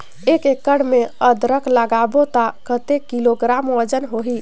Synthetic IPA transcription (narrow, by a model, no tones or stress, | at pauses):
ekekːəɽ̤meəd̪ɾəkʰləɡabot̪akət̪ekiloɡɾamɔɾd͡ʒənɦoɦi